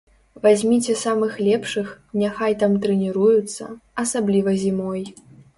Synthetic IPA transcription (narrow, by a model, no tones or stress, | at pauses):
vazʲmʲit͡sʲɛsamɨxlʲɛpʂɨxnʲaxajt̪amt̪ɾɛnʲiɾujut̪sːɐ̰ɐsablʲivɐzʲimɔj